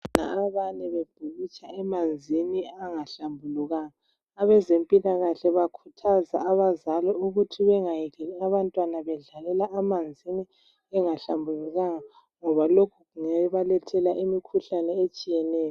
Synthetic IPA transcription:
na̰ːβanɛβeb̥ʱuɣit͡ʃʼaɛmand͡zʱiniaŋaɬambʱuluɣaːŋaː | βɛzempʼilaɣaɬɛβakʰutʰazaaβazalɔuɣutʰiβɛŋajɛɣɛlɛaβantʼwanaβɛɮalɛlaʔamand͡zʱini | ɛŋaɬambʱuluɣaŋa | ŋɔβalokʰuɣuŋɛβalɛtʰɛlaʔimikʰuɬanɛet͡ʃʼijɛnɛːjɔ

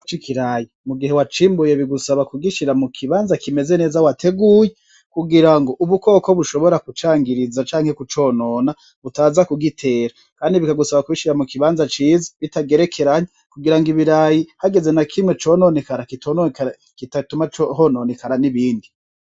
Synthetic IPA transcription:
t͡ʃikʰiɾajimuɡiɦe̞wat͡ʃiːmbuje̞βiɡusaβakuɡiʃiɾamukʰiβaːnzakime̞ze̞ne̞ːzawatʰe̞ɡuːje | kuɡiɾaŋɡo̞ʔuβuko̞ːko̞βuʃo̞βo̞ɾakut͡ʃaːŋɡiɾizat͡ʃaːŋhekut͡ʃo̞ːno̞ːna | βutaːzakuɡitʰe̞ːɾa | kaːndiβikaɡusaβakwiʃiɾamukiβaːnzat͡ʃiːzi̥βitaɡe̞ɾe̞kʰe̞ɾaɲokuɡiɾaŋɡiβiɾajihaɡe̞ze̞nakʰimŋe̞t͡ʃo̞ːnonekaɾakitonok | kitatumat͡ʃoɦononekaɾaniβiːndi

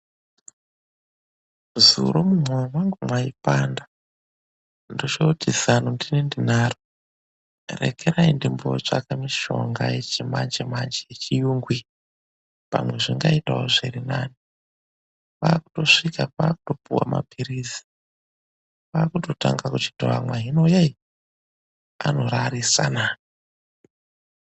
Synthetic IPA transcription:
zṵɾomumwowwaŋɡumwaipaːnda | ndot͡ʃoutizanondinendin̤aːro | rḛkʰeɾaindimbo̞̰t͡ʂa̰kamiʃo̞̰ŋɡajet͡ʃimand͡ʒemand͡ʒejet͡ʃijuːŋɡwi | pa̰mwe̞ʐiŋɡaita̰oʐiɾinaːni | paːku̥to̞ʂikapaːkuto̞puwa̰ma̰piɾizi̥ | paːkuto̞taŋɡakut͡ʃi̥toamwaɦino̞jai | ano̞ɾaɾisa̰na

